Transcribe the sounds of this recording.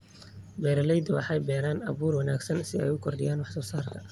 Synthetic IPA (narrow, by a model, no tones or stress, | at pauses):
bɛːɾɐlɛjd̪wɑ̰ħɑjbɛːɾaːnɐβuːrwɑna̰ːɡsɐnsɪɛ̰jʊkʰɔrd̪ɪ̰jaːnwɑħt̪ɔːsaːrt̪ʰɐ